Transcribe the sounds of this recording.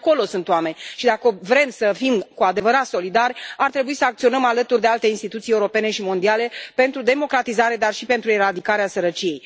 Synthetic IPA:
ko̞lo̞sunt̪oame̞nʲʃid̪akəvɾe̞msəfimkuad̪e̞vəɾat̪so̞lid̪arʲart̪ɾe̞buisəak̚t̪sio̞nəmalət̪urd̪e̞alt̪einst̪it̪ut̪sije̞uɾo̞pe̞ne̞ʃimo̞nd̪iale̞pe̞nt̪ɾud̪e̞mo̞kɾat̪izaɾe̞d̪arʃipe̞nt̪ɾueɾad̪ikaɾeasəɾət͡ʃije̞j

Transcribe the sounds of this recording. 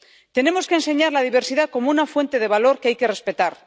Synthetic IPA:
t̪e̞ne̞mo̞skense̞ɲaɾlað̞iβ̞e̞ɾsiðako̞mounafwe̞nt̪e̞ðe̞βalo̞ɾkeajke̞re̞spe̞t̪aɾ

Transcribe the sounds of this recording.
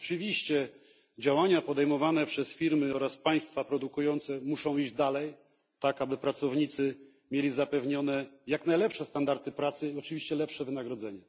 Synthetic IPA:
ɔt͡ʂɨvʲiɕt͡ɕɛ | d͡ʑawaɲapɔd̪ɛjmɔvanɛpʂɛsfʲiɾmɘɔɾaspaj̃st̪fapɾɔd̪ukujɔnt̪sɛmuʂɔ̃w̃iʑd͡ʑd̪alɛj | t̪akabɘpɾat̪sɔvɲit̪sɘ | mʲjelʲizapɛvɲɔnɛjaknajlɛpʂɛst̪and̪aɾt̪ɘpɾat̪sɘiɔt͡ʂɘvʲiɕt͡ɕɛlɛpʂɛvɘnaɡɾɔd̪zɛɲɛ

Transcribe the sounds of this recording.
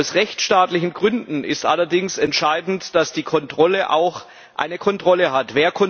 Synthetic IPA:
ʊsʁɛçt͡sʃtaːtlɪçn̩ɡʁʏndn̩ɪstʔa̰lɐdɪŋsɛntʃaɪdn̩td̥asd̥iːkʰɔntʁ̥ɔləʔa̰ʊx | ʔa̰ɪnəkʰɔntʁ̥ɔləɦatv̥eːɐkʰɔ

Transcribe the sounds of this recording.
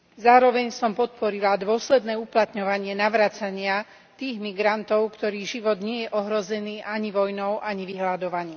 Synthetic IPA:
zaːɾɔʋɛɲsɔmpɔt̪̚pɔɾilad̪ʋʊɔslɛd̪nɛːuplat̪ɲɔʋaɲɪɛnaʋɾaːt͡saɲɪa | t̪iːɣmiɡɾant̪ɔʊkt̪ɔɾiːɣʒiʋɔd̪ɲɪɛjɛʔɔɦɾɔzɛniːʔaɲiʋɔjnɔʊʔaɲiʋiɦlad̪ɔʋaɲiː

